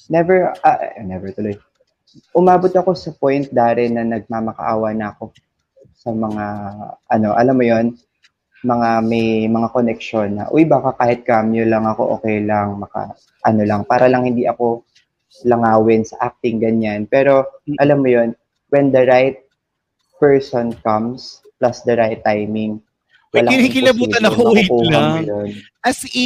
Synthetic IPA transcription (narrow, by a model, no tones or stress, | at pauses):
nɛvɛɹaʔʔnɛvɛɹt̪ʊloj | ʔʊmaːbot̪ɐko̞sɐpo̞jnt̪̚d̪aːɾɛnɐnɐɡ̚maːmɐkɐ̰ʔa̰ːwɐnɐːko̞ | sɐmɐŋaʔɐno̞ʔɐlamːojo̞n | mɐŋamɐjmɐŋakonɛk̚ʃo̞nːɐ̰ʔojbaːkakaːhɪt̪̚kamjolɐŋɐko̞̰ʔoːkɛjlɐŋmɐka̰ | ʔɐno̞lɐŋpaːɾɐlɐŋhɪnd̪iʔɐko̞ | lɐŋaːwɪnsɐʔak̚t̪ɪŋɡɐɲanpɛːɾo̞ʔɐlamːojo̞n | wɛnd̪ɐɹajt̪̚ | pɛɹsonkɐms | plɐsd̪ɐɹajt̪ːajmɪŋ | wlakɪlɐbuːt̪ɐnɐkopuɐmʊjon | ɐs